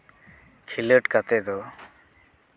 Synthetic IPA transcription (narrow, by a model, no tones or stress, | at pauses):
kʰiləʈkat̪ɛd̪ɔ